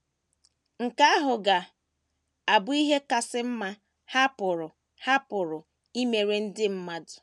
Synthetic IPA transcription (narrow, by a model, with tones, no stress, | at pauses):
ŋ̩˨ka˦a˦ɦʊ˨ɡa˨ | a˨bʊ˦i˦ɦe˦ka˨sɪ˦m̩˦ma˦ | ha˦pʊ˨ɾʊ˨ | ha˦pʊ˨ɾʊ˨ | i˦me˨ɾe˦n̩˦dɪ˦m̩˦ma˦dʊ̥˨